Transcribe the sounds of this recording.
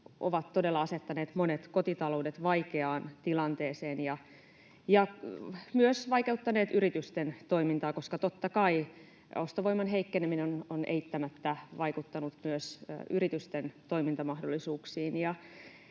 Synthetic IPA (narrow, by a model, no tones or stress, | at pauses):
ʔoʋɑt̪tːodelːɑɑset̪ːɑneːt̪monet̪kot̪it̪ɑlo̞udet̪ʋɑikeɑːnt̪ilɑnt̪eːseːnjɑ | jɑmyøsʋɑike̞ut̪ːɑneːt̪yɾit̪yst̪ent̪o̞imint̪ɑːko̞skɑt̪ot̪ːɑkɑi | ost̪oʋo̞imːɑnɦeikːeneminenonʔḛit̪ːæmæt̪ːæʋɑikut̪ːɑnut̪myøsyrit̪yst̪ent̪o̞jmint̪ɑmɑhdolːˑisuːksiːnjɑ